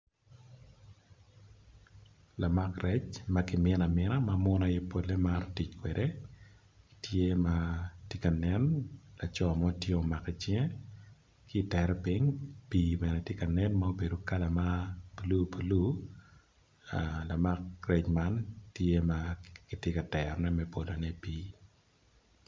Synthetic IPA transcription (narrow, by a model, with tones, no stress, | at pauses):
la˨ma˦krɛ˦t͡ʃma˦kɪ˨mɪ˦na˨mɪna˦mamʊ˦na˦jɛ˦po˦lːe˦maɾti˨t͡ʃkwɛde | tʰje˦matje˦ka˨nɛ˦nla˨t͡ʃɔ˨mɔ˦tje˦o˨ma˨kɛ˨t͡ʃjɛ˦ | kɪ˦˨tɛɾɛ˦piŋpiːbɛ˨nɛ˨tje˦ka˨nɛ˦nmao˦be˨do˨ka˦la˨ma˦po˨lu˦pʰo˨lu˦˨ | la˨ma˦k̚rɛ˦t͡ʃma˦ntje˦makitje˦ka˨tɛɾɔnɛ˦mɛ˦po˨lo˨nɛ˦piː˦